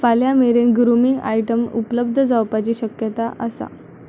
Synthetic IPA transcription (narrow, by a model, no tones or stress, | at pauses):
faljameɾenɡɾumiŋɡa̰jʈəmṵpələb̚d̪ʱəd͡zawpat͡ɕiːɕəkjət̪aʔəsa̰